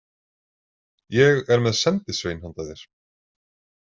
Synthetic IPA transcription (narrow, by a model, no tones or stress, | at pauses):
jɛɣɛɾmɛðsɛnt̪ɪsvejnhant̪aðɪɾ̥